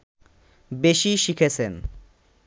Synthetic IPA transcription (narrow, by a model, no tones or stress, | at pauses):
beʃiʃikʰet͡sʰen